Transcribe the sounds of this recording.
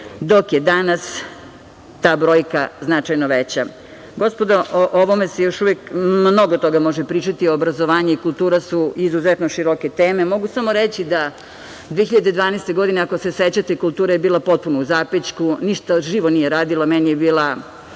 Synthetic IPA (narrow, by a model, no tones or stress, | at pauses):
d̪o̞kjed̪anas | t̪aːbɾo̞ːjkaznat͡ʃajnoʋet͡ɕa | ɡo̞spod̪aʔoʔoʋomesejo̞ʃuʋekmmno̞ɡot̪o̞ɡamo̞ʒepɾiːt͡ʂat̪ioːbɾazoʋaːɲuikulˠt̪uːɾasuizuzet̪noʃiɾoket̪eːme̞mo̞ɡusamo̞ɾet͡ɕid̪a | d̪ʋeeçiʎad̪ed̪ʋaːnest̪e̞ɡo̞d̪ineako̞se̞set͡ɕat̪eikulˠt̪uːɾajebiːlapo̞t̪̚punouzapet͡ʃkuniʃt̪aʒiːʋonijeɾaːd̪ilˠomɛnijebiːlˠa